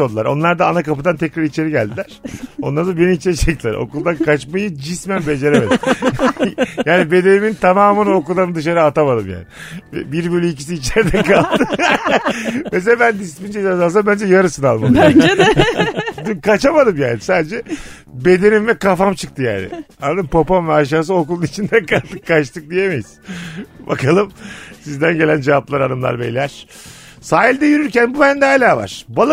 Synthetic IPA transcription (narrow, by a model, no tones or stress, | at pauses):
old̪lˠaɾo̞nlˠaɾd̪aːnakapɯd̪ant̪ʰɛcɾaɾit͡ʃe̞ɾiɟælʲd̪ilʲæɾ̥o̞nˠaɾd̪abe̞nimit͡ʃed͡ʒɛc̚d̪ilʲæ̰ɾo̞̰kulˠd̪ankʰat͡ʃmajɯd͡ʒismænbe̞d͡ʒe̞ɾeme̞d̪m | jaːnibe̞d̪e̞nimint̪ʰamaːmɯnokulˠd̪anɯd̪ɯʃ̬aɾɯaːt̪ʰamad̪ɯmja̰ːnɪ | ɛ̰biɾbyølʲyic̬i̥s̬iːt͡ʃlɛɾd̪ɛkʰalˠd̪ɯ | mes̬elabænd̪ispind͡ʒed̪azals̬abænd͡ʒɛjaɾɯsɯnalˠmad̪ | d̪imkʰat͡ʃamad̪ɯmjaːnsand͡ʒɛ | be̞d̪e̞nimvɛkafamt͡ʃʰɯk̚t̪ʰɯja̰ːnɪ̰and̪ɯmpapamvɛaʃ̬aːs̬ɯokulˠunit͡ʃʰind̪ænkalˠt̪ɯkʰːaʃt̪ʰɯk̚d̪ijemejizba̰kʰalˠɯmsizd̪ænɟe̞lʲænd͡ʒevaplˠaɾa̰nɯmlˠa̰ɾbejlʲæɾ̥ | saːjilʲd̪ɛjyɾyɾcænbubænd̪ɛaːlʲaːva̰ɾ̥balˠ